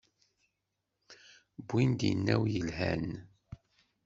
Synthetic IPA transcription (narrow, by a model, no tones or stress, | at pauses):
bʷind̪inːæwjəlɦæn